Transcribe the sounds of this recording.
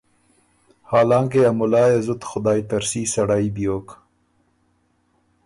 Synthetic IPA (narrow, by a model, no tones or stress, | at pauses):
haːlɑːŋkeɐmʊlɑːjezʊt̪xʊd̪aːjt̪ɐɾsiːsɐɽaːibijoːk